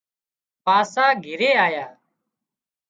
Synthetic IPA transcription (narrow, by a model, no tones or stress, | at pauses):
paːsaːɡʱɪɾeːaːjaː